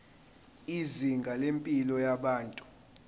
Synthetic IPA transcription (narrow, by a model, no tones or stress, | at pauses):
iziŋɡʱalempʼilɔjaɓaːntʼu̥